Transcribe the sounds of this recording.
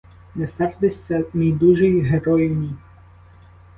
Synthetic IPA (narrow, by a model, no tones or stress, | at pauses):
nɛsɛrd̪ɪsʲt͡sʲːɐmijd̪uʒijɦeɾɔjɪnʲij